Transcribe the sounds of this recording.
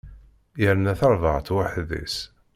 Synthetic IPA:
jəɾnæθɑɾˤvəʁt̪waħðḭs

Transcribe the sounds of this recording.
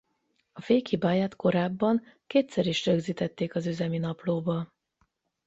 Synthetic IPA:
ɒfeːkhibaːjaːt̪ko̞ɾaːbːɒŋ | keːt̪sɛɾiʃrøɡziːt̪ɛt̪ːeːkɒzyzɛminɒploːbɒ

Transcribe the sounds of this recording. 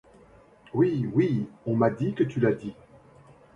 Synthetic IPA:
wiwiɔ̃mad̪ikət̪ylad̪i

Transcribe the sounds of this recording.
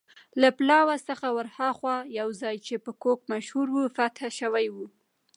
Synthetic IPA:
laplɑwasəxawaɾhɑxwɑjawzɑjt͡ʃepəkok̚maʃhuɾwufat̪haʃəwajwu

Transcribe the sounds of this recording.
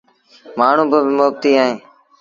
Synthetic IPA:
maːɳ̤ũːbəbɪmoːb̚t̪iːaːɦẽː

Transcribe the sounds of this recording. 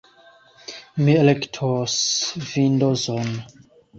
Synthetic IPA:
mielektʰosvindozon

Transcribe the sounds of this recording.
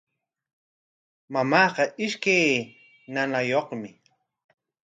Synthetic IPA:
mamɑːqɑʔɪʃkaj | nanajoχmɪ

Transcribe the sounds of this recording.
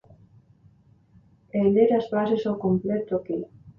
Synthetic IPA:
eʎeɾazbasesowkomplet̪oki

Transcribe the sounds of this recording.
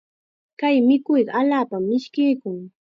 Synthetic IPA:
kajmɪkʊjɢɑaʎaːpamːɪʃkɪjkʊŋ

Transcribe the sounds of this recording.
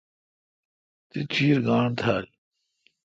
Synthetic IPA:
t̪it͡ɕʰiːɾɡaːɳt̪ʰaːl

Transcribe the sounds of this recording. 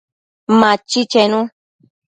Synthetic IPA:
mãt͡ʃit͡ʃenũ

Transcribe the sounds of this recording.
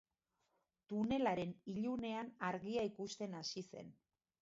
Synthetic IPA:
t̪une̞laɾe̞niʎune̞anaɾɣiaikust̪e̞nasise̞̰n

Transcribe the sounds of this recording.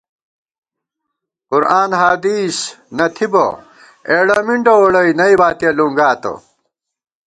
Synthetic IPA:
qʊɾaːnɦaːd̪iːsnɐt̪ʰibɐ̰ | eːɽɐmiɳʈɐwoɽɐinɐibaːt̪ijɐluŋɡaːt̪ɐ̰

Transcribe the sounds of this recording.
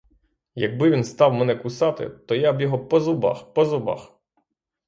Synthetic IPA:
jɐɡ̚bɪʋʲinst̪ɑwmɛnɛkʊsɑt̪ɪ̰t̪ɔjabjɔɦɔpɔzʊbɑ̰xpɔzʊbɑ̰x

